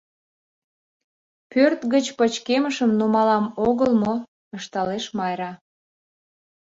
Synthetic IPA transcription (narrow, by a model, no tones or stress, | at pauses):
pørt̪ɣət͡ɕpət͡ɕkeməʃəmnumɑlɑmoɣəlmo | əʃt̪ɑleʃmɑjɾɑ